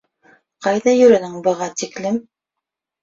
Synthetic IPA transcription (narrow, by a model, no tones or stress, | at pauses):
qɑjðɑjɵ̆ɾɘ̆nɘŋbɤ̆ʁɑt̪iklɘm